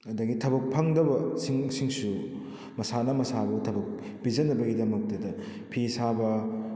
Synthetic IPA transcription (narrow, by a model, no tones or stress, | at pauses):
ɐdɐɡitʰɐbɐk̚pʰɐŋdɐbɐsiŋsiŋsu | mɐsanɐmɐsabutʰɐbɐk̚ | bid͡ʒɐnːɐbɐɡidɐmɐk̚tɐdɐ | pʰisabɐ